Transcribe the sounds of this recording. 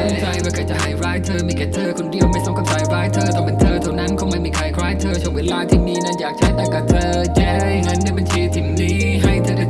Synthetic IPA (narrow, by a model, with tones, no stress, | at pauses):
a˧˩sa˧jaː˧˩kʰaː˧˩t͡ɕa˨˩ʔha˨˩jɾaː˦˥jt̪ʰəː˧miː˧˩kʰa˧˥t̪ʰəː˧kʰo˧ndi˨˧əwma˥˩jsɔ˧˥ka˧˩t̪aː˧jɾaː˦˥jt̪ʰəː˧t̪ʰɔː˧˩mɨ˨˧˦nt̪ʰəː˧t̪ʰɔ˧˩na˦˧˥nkʰɔ˧˥ŋma˧˥˩jmiː˧kʰɾa˧jkʰɾaː˦˥jt̪ʰəː˧t͡ɕʰu˥˩əweː˧˨laː˧˥t̪ʰiː˥˩miː˧na˧˥jaː˨˩k̚t͡ɕʰa˦˥jt̪aː˧˩ka˨˩t̪ʰɤː˧ | t͡ɕɛː˧ | nə˧˥ndaː˧˩˨jba˧nt͡ɕʰiː˧t̪ʰi˨˩mniː˨˦˥ | ɦa˥˩jt̪ʰəː˧˩a˧˩